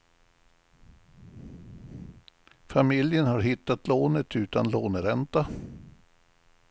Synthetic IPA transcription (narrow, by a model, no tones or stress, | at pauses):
famɪljənhaɾɦɪt̪ːat̪loːnət̪ʰʉ̟ːt̪anloːnəɾɛnt̪a